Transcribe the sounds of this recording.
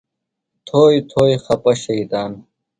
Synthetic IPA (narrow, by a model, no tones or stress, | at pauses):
t̪ʰoːjt̪ʰoːjxɐpɐɕɐit̪aːn